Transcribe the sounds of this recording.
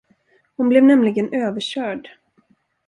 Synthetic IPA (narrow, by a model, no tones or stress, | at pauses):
hʊnblɛvnɛmlɪɡənøːvəɕœːɖ